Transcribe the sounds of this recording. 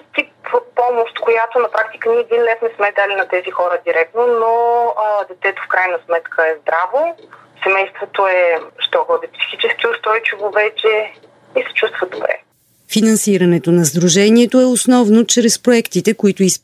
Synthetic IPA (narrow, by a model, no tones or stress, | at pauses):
t̪ipot̪̚pɔmoʃt̪kojat̪onɐpɾʔak̚t̪i̥kəniiɛd̪inlɛsmɛsmɛd̪alinɐt̪ɛzixɔɾəd̪iɾɛk̚t̪nonod̪ɛt̪ɛt̪ofkɾajnəsmɛt̪kʰəɛzd̪ɾavo | sɛmɛjst̪vot̪oɛʃt̪ɔɣɔd̪ɛpsi̥xit͡ʃɛskiʊst̪ɾɔjt͡ʃivovɛt͡ʃɛ | isɛ̥t͡ʃust̪vəd̪obɾɛ̰ | finɐnsiɾɐnɛt̪onɐzd̪ɾuʒɛniɛt̪oɛosnɔvnot͡ʃɾɛspɾoɛkt̪it̪ɛkoit̪ʊis